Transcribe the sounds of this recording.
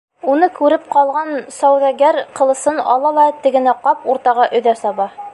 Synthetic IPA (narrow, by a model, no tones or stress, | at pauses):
unɤkʉɾɘp̚qɒlˠʁɑnsɒwðæɡæɾqɤ̆lˠɤ̆sɤnɒ̰lˠɑlˠɑt̪ɘ̆ɡɘ̆næqɑpuɾt̪ɑʁɑʔɵ̆ðæsɒβɑ